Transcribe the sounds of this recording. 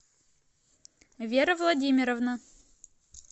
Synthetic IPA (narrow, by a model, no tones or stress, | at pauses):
vʲeɾəvlˠɐdʲimʲɪɾəvnə